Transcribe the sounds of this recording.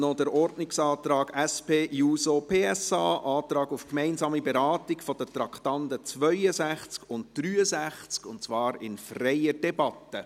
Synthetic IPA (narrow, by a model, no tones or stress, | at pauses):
nɔdəɾɔrdnɪksɑːt̪ɾɑːɡæspeːjuːsopʰeːɛsɑːʔɑːt̪ɾɑːɡufkmɛɪnzɑːmibɛɾɑːtɪkfɔd̥ətɾɑkʰtɑndət͡sʋœʏəzæχt͡skʊntd̥ɾyːəzæχt͡skʊntt͡sʋɑːɾɪnfrɛɪəd̥ɛbɑtːə